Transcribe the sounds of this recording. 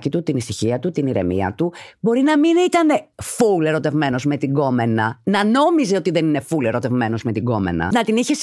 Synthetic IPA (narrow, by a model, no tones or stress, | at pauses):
cit̪ut̪inisiçiɐt̪ut̪iniɾe̞̰mḭɐ̰t̪ubo̞ɾinɐminit̪ɐne̞fule̞ɾo̞t̪e̞vme̞no̞zme̞t̪iɡo̞me̞nɐnɐno̞mizeo̞t̪iðe̞nine̞fule̞ɾo̞t̪e̞vme̞no̞zmet̪iɡo̞me̞̰nɐ̰nɐt̪iniçes